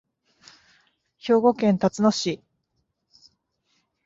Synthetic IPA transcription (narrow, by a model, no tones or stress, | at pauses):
ço̞ːɡo̞kẽ̞nt̪at͡sɨno̞ɕi